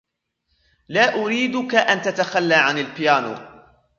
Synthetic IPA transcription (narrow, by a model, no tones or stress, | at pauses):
laːʔʊɾiːd̪ʊkaʔant̪at̪axalːaːʕanalpɪjaːnṵː